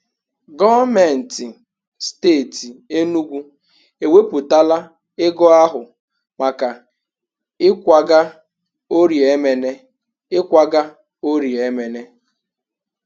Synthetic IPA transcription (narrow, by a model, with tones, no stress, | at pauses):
ɡɔ˦me˨n̩˨tɪ˨ | steː˦˨ti˨e˦nu˦ɡʷu˦ | e˨we˦pʊ˨ta˦la˦ | ɪ˦ɡɔ˦a˦ɦʊ˨ | ma˨ka˨ | ɪ˦kʷa˨ɡa˦ | o˦ɾje˦me˨ne˦ | ɪ˦kʷa˦ɡa˦ | o˦ɾji˨e˦me˨ne˦